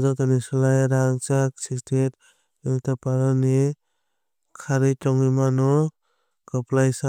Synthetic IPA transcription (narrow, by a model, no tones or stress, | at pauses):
zatanisɔlajɾaŋt͡ʃak̚sistet | iŋtapaɾani | kʰaɾɯjtɔŋimanɔ | kɔplajsa